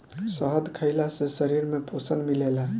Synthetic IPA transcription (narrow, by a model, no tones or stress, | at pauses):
səɦəd̪kʰəɪlasesəɾiɾmeposənmilela